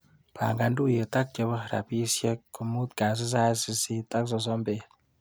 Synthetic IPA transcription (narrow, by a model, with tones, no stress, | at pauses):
pa̰˨ŋɡa˧ndu˦˨je˨ta˦k̚t͡ʃə˧bɔ˦ɾa̰˨pi˦sje˦kːu˨mu˦t̪̚ka˨s̬i˦s̬a˦si˧si˦ta˦ks̬ɔ˧s̬ɔ˦mbe˨